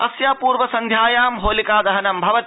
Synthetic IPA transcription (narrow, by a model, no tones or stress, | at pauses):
ɐ̰sjaːpuːɾʋɐsɐ̃nd̪ʱjaːjaːmɦoːlikaːd̪ɐɦɐnɐmbʱɐʋɐt̪